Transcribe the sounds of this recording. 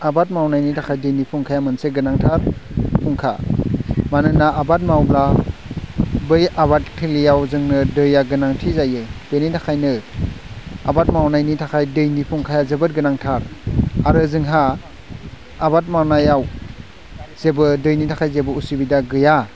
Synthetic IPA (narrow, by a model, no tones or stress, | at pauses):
abat̚mawnajnitʰakʰajdɯjnipʰuŋkʰajamɯnseɡɯnaŋtʰaɾpʰuŋkʰa̰ | manɯnaabat̚mawbla | bɯjaβat̚kʰilijawzɯŋnɯdɯjaɡɯnaŋtʰizajɯb̥enitʰakʰajnɯ | a̰bat̚mawnajnitʰakʰajdɯjnipʰuŋkʰajazɯbɯt̚ɡɯnaŋtʰaɾaɾɯzɯŋɦa | bat̚mawnajaw | zebɯdɯjnitʰakʰajzebɯusibidaɡɯja